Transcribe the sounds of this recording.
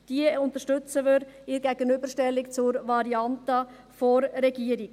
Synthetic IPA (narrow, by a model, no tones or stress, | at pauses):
d̥iəʊnt̪əʃtʉt͡səvʏɾɪɾɡ̥ɛɡ̥ənybəɾʃtɛlːikt͡sʊɾvɑɾiɑntə | fɔɾːɛɡiəɾik